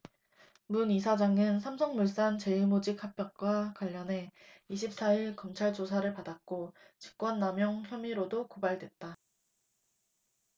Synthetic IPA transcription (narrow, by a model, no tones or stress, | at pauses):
munisʰad͡ʑaŋɯnsʰamsʰʌŋmuɭs͈ant͡ɕe̞imod͡ʑik̚hak̚p͈jʌk̚k͈wakwaʎːʌne̞iɕʰip̚s͈aiɭkʌmt͡ɕʰaɭt͡ɕosʰaɾɯɭpadat̚k͈o | t͡ɕi̥k̚k͈wʌnːamjʌŋçjʌmiɾodokobaɭdwe̞t̚t͈a